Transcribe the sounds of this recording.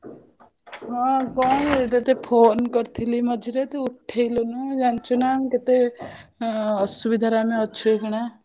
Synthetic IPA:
ɦɔ̃kɔnet̪et̪epʰonkɔɾt̪ʰilimʌd͡ʒʱiɾet̪euʈʰːejlunud͡ʒant͡ʃʰunamket̪e | subid̪ʱaɾameɔt͡ʃʰuekɔɽ̃a

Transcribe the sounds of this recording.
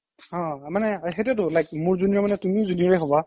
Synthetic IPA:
ɔ̃manɛxetɛt̬ʊlajk̚mʊɹzuniɔmanɛtumiʊzuniɹɛɦɔba

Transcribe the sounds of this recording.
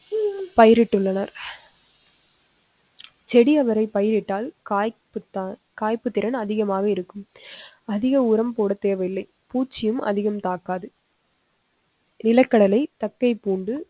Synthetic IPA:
pɐjɪɾɪʈːɯɭːɐnɐɾ | t͡ʃɛɽiɐʋɐɾɐɪpɐjɪɾɪʈːaːlkːpɯt̪ | kaːjpɯt̪ːɪɾɐnɐðɪɣɐmaːɣɐɪɾɯkːɯm | ɐðɪɣɐʊɾɐmpoːɽɐt̪eːʋɐɪlːɐɪ | puːt͡ʃːɪjɯmɐ̰ðɪɣɐmt̪aːkːaːðɯ | nɪlɐkːɐɽɐlɐɪt̪ɐkːɐɪpuːɳɖɯ

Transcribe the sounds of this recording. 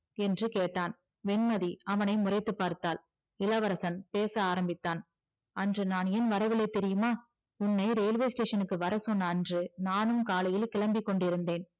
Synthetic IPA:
ɛndrɯkeːʈːaːn | ʋɛnmɐðiɐʋɐnɐɪmʊrɐɪt̪ːɯpːaːɾt̪ːaːl | ɪlɐʋɐɾɐsɐnpeːsɐaːɾɐmbɪt̪ːaːn | ɐndrɯnaːnɛnʋɐɾɐʋɪlɐɪt̪ːɛɾɪjɯmaː | ʊnːɐɪɾeːlʋeːsʈeːʂɐnɯkːɯʋɐɾɐsɔnːɐndrɯnaːnɯmkaːlɐjɪlkɪlɐmbɪkːɔɳɖɪɾɯnd̪eːn

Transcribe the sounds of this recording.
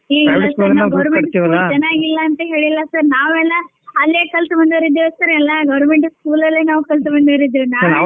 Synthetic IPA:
eːɛːɐsskɐɾnaɡɐʋɾmeɐɽʈsiʋɐulːlad͡ʒɐnːaːɡilːɐːnt̪ɐɦe̞ːɭilːɐsɐɾnaːʋɛlːɐ | ɐlːeːkɐlt̪bɐnd̪ɐɾid̪ːesɐɾɛlːɐɡɐʋɾmeɳʈskuːlɐlːenaːʋukɐlt̪bɐnd̪ɐɾid̪unaːɐna

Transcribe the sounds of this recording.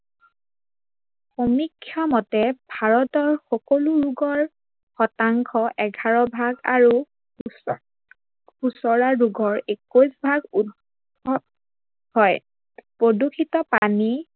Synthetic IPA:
xomikʰːjɔmɔtɛbʱaɹɔtɔɹxɔkoluɹuɡɔɹ | xɔtaŋkʰɔʔɛɡʱaɹɔbʱaɡa̰ɹu | usɔɹaɹuɡɔɹekosbʱaɡud | ɔt | hɔj | pɹodukʰitɔpani

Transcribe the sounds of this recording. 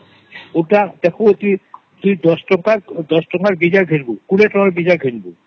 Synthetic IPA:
oʈad̪ɛkʰot̪u | t̪uid̪ɔsʈɔkaɾd̪ɔʃʈɔkaɾbid͡ʑaɾɡʱeɾbukuɽeʈɔkaɾbid͡ʑaɾɡʱenbo

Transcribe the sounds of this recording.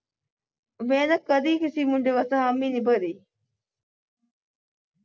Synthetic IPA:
beːnɐkːɐd̪iːkisiːmuɳɖeʋɐsɐɦɐmːiːnibɐɾiː

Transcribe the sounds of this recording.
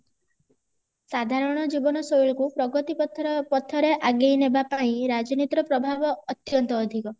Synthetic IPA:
sad̪ʱaɾɔɽ̃ɔd͡ʒibɔnɔsojɭkupɾɔɡɔt̪ipɔt̪ʰpɔt̪ʰːɔɾeʔaɡejnebapaĩɾad͡ʒɔnit̪ɾɔpɾɔbʱabɔːt̪jɔnt̪ɔːd̪ʱikɔ

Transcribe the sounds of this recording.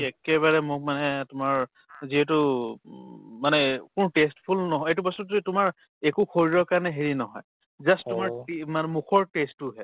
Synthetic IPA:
ɛkɛβaɹɛmʊk̚manɛtʊmaɹ | ziɦɛt̬u | manɛkʊnutestpʰulnɔɦɔetubɔsutitʊmaɹ | ekuxʰoɹiɹɔɹkaɹnɛɦeɹinɔɦɔ̰j | zasttːʊmaɹemanmukɔɹtestːuɦɛ

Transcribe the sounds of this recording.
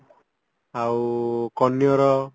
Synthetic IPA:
awkɔnjɔɾɔ

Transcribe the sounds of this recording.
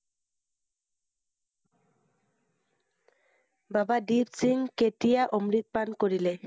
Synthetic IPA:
babadipsiŋketijaʔomɹit̪̚pankoɹile

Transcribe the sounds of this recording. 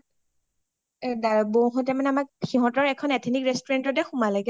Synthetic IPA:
ɛdaɹboɦɔ̃tɛmanɛamak̚xiɦɔ̃tɔɹɛkʰɔnɛtʰinikɹɛstɔɹɛntɔtɛxumalaɡɛ

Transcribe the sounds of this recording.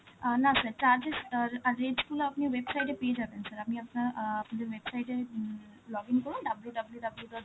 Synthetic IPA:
nasɐɾt͡ʃaːɾd͡ʒesɐɾeːɖskuːloɐpniʋeːbsɐjʈepijed͡ʒaːb̪ensɐɾɐpniɐpnaɐpnd͡ʒeʋeːbsajʈe | lɔːɡinkɔɽũɖɐbljuɖɐbljuɖɐbljuɖɔ

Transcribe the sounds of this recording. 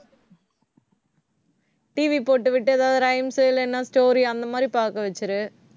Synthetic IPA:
ʈiːʋipoːʈːɯʋɪʈːɯɛðaːʋðɯɾɐɪmsɯɪlɛnːaːsʈoːɾiɐnd̪ɐmaːd̪ɾipaːɾkɐʋɐt͡ʃːɐɾɯ

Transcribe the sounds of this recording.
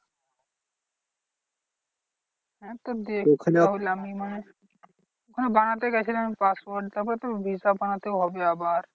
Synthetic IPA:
ɦɛ̃t̪od̪eokʰlaɦolamimane | kʰɔnobanat̪eɡɛt͡ʃʰilamipaswɔɾɖt̪ɔpt̪obʱisabanat̪eɦɔbeabaɾ

